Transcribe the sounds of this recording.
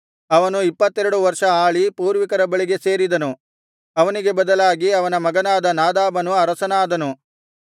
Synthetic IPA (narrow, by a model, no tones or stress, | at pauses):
ɐʋɐnuipːɐt̪ːɛɾɐɽuʋɐɾʂɐaːɭipuːɾʋikɐɾɐbɐɭiɡe̞se̞ːɾid̪ɐnu | ɐʋɐniɡe̞bɐd̪ɐlaːɡiɐʋɐnɐmɐɡɐnaːd̪ɐnaːd̪aːbɐnuɐɾɐsɐnaːd̪ɐnu